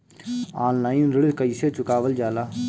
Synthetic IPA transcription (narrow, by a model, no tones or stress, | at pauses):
aːnlaːjnɾɪɽkəiːset͡ʃʊkaːʋəld͡ʒaːlaː